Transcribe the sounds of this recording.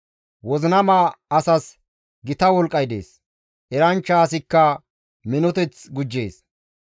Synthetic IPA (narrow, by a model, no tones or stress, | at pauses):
wɔzɪnɐmaːɐsɐs | ɡɪt̪ɐwɔlkʼːɐjd̪ḛːs | ʔɛɾɐnt͡ʃːɐːs̬ɪkːɐ | mɪnɔt̪ɛt͡sɡʊd͡ʒːe̞̰ːs